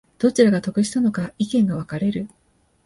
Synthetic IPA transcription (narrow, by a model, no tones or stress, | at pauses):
d̪̥o̞t͡ɕiɾaɡat̪o̞kɯ̟ɕi̥t̪ano̞kaikẽŋɡaβ̞akaɾe̞ɾɯ̟